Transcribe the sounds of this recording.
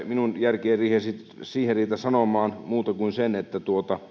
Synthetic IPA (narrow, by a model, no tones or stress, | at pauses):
minunjærkeːrriːhesit̪ | siːherriːt̪æsɑnomˑɑːnmuːt̪ɑkuinsenet̪ːæt̪uot̪ɑ